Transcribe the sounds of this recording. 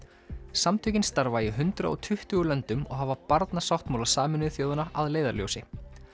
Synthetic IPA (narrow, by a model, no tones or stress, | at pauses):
samt̪ʰʏcɪnst̪aɾvaɪɦʏnt̪ɾa̰ɔ̰t̪ʰʏht̪ʏɣʏlœnt̪ʏmɔ̰ɣɦavapaɾt̪nasawht̪mawlasaːmɪnʏθjowðʏnaʔaðleːjðaɾljo̰wsɪ